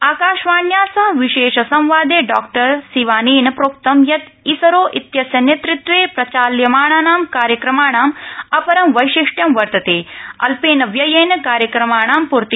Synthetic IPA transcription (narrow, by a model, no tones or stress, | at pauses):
aːkaːʃʋaːɳjaːsɐɦɐʋiʃeːʃɐsɐ̃mʋaːd̪eːɖaːk̚ʈɐɾsiʋaːniːnɐpɾoːk̚t̪ɐmjɐt̪ | isɐɾoːʔit̪jɐsjɐneːt̪ɾɪt̪ʋeːpɾɐt͡ʃaːljɐmaːɳaːnaːmkaːɾjɐkɾɐmaːɳaːmɐpɐɾɐmʋɐjʃiʂʈjɐmʋɐɾt̪ɐt̪eːɐ̰lpeːnɐʋjɐjeːnɐkaːɾjɐkɾɐmaːɳaːmpuɾt̪i